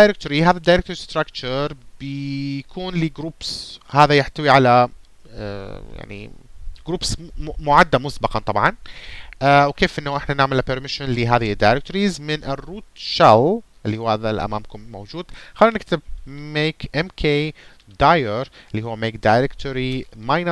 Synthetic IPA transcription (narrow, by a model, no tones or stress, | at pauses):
d̪ajɾɪk̚t̪ʊɾiɦaːðad̪ːajɾɪk̚t̪ɾist̪ɾakt͡ʃɑɾˤbɪkʰuːnliːɡɾuːbshaːðajɪħt̪awiʕala̰ | ja̰ʕnḭɡ̥ɾuːbsmʊʕad̪ːamʊsbɑqɑnt̪ˤɑbʕɑnʔawkeːfʔɪnːaʔɪħnanaʕmɪlːapɪɾmɪʃɪnliɦaːðɪd̪ːajɾɪk̚t̪ʊɾizmɪnʔɪrːuːt̪ʃalʔɪlːihuːhaːðalʔa̰maːmkʊmːowd͡ʒuːd̪xaliːnɪk̚t̪ɪb̚meːkʔɛmkʰeː | d̪ajaɾɪlːihuwːameːk̚d̪ajɾɪkt̪ʊɾimajna